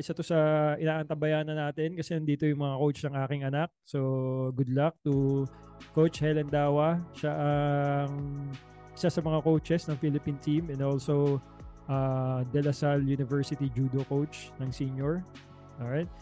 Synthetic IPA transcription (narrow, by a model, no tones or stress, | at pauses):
ʔɪsɐt̪osɐʔɪnaːʔɐnt̪ɐbɐjaːnɐnaːt̪ɛnkɐsɛnɐnd̪iːt̪o̞jʊŋmɐŋakowt͡ʃnɐŋʔaːkɪŋɐnak̚soɡʊd̪lɐk̚t̪u | kowt͡ʃhɛlɐnd̪aːwɐʃaʔɐŋ | ʔɪ̥sasɐmɐŋakowt͡ʃɛsnɐŋfilɪpint̪ĩmɛ̃nd̪olsow | ʔad̪ɛlɐsaljunɪvɛɹsɪt̪id͡ʒuːd̪okowt͡ʃnɐŋsiɲjoɹ | ʔoɹajt̪̚